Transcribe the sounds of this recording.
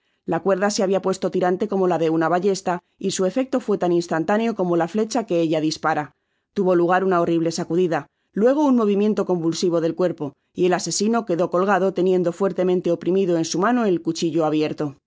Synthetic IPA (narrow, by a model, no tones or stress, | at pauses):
lakwe̞ɾðase̞aβiapwe̞st̪o̞t̪iɾant̪e̞ko̞mo̞laðe̞unaβaʎe̞st̪a | isue̞fe̞k̚t̪o̞fwe̞t̪aninst̪ant̪aneo̞ko̞mo̞lafle̞t͡ʃake̞eʎaðispaɾa | t̪uβo̞luɣ̞aɾunao̞riβ̞le̞sakuðiða | lwe̞ɣ̞o̞unmo̞β̞imjẽ̞nt̪o̞ko̞mbulsiβ̞o̞ðe̞lkwe̞ɾpo̞ | ie̞lase̞sino̞ke̞ðo̞ko̞lɣ̞aðo̞t̪e̞njẽ̞nd̪o̞fwe̞ɾt̪e̞mẽnt̪eo̞pɾimiðoe̞nsumãno̞e̞lkut͡ʃiʝo̞aβjeɾt̪o̞